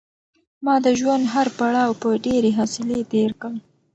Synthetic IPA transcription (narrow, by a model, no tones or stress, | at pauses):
mɑd̪əʒwand̪ɦaɾpaɽɑwpəɖeɾeɦɑsɪlet̪eɾkəl